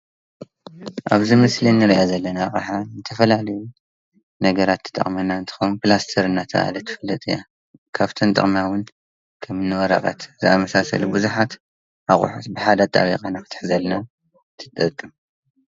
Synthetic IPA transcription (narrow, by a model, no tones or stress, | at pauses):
ʔaβzimɨslinːɨɾiʔazɐlːɐnaχʼɨħanɨt̪ʰɐfɐlalɐju | nɐɡɐɾat̪ʰːɨ̥t̪ʼɐ̰χʼmɐnaɨnt̪ʰɨ̥xownplast̪ʰɐɾɨnːat̪ʰɐ̰ʔa̰lɐt̪ʰːɨ̥fɐlːɐt̪ʼɨ̰ja | kʰaβt̪ʰɐnt̪ʼɨ̰χʼmawʊn | kʰɐmnːɨwɔɾa̰qʼa̰t̪zɨamɐsasɐ̰lubɨzuħat̪ | aχʼʊ̰ħut̪bɨħad̪at̪ʼa̰βiqʼanakɨt̪ʰʼɨ̥ħzɐlna | t̪ʰɨ̥t̪ʼɐkʼːɨm